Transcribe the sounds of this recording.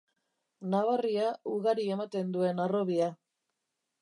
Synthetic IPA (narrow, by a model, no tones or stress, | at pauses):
naβariauɣaɾie̞mat̪e̞nd̪ue̞naro̞βia